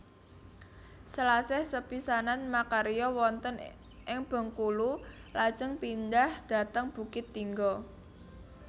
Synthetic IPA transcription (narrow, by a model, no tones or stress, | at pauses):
səlasɛhsəpisananmakaɾijɔwɔnt̪ən | ʔɪŋb̥ɔ̤ŋkululad̥ʒ̥əŋpind̪ahd̪̥a̤t̪əŋb̥ṳkɪt̪ːiŋɡɔ